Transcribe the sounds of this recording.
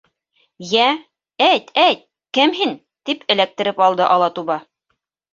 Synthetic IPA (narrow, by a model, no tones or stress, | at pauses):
jæ | æjt̪æjt̪̚ | kɘmɦin | t̪ipʰɘ̆læk̚t̪ɘ̆ɾɘpɑlˠd̪ɤʔɑlˠɑt̪uβɑ